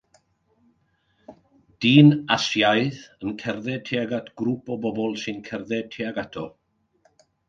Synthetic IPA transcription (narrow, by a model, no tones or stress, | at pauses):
d̥iːnasjajðənkʰɛrðɛtʰeaɡatʰɡ̥ɾupɔbɔbɔlˠsɨnkʰɛrðɛd̚tʰeaɡatʰɔ